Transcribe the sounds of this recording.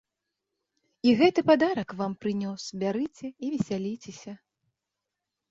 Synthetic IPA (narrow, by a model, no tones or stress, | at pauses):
iɣɛt̪ɨpad̪aɾɐkvampɾɨnʲɔsbʲaɾɨt͡sʲɛivʲɛsʲalʲit͡sʲɛsʲɐ